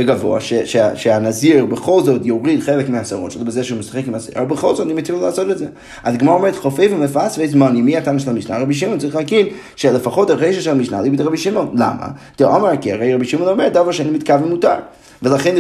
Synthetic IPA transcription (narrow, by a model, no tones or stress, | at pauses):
eɡavo̞̰a̰ʃeʃeaʃeanaziʁbeχo̞lzo̞tjoʁidχelekmeasaʁot̪ʃolbezeʃeumesḁχekimazḭʁaalbeχo̞lzot̪animat̪ʰillaːso̞tetze | atɡmaʁomeʁetχofevumefasvezmanimːiatanaʃelamiʃna̰ʁabiʃ̬imont͡saʁiχleaɡin | ʃelefaχo̞taʁeʃaʃelamiʃnalibid̪ʁabiʃimo̞nla̰ma̰t̪eʔomekia̰ʁejʁabiʃimonomeʁt̚dafkaʃeanimitkavemutaʁ | velaχen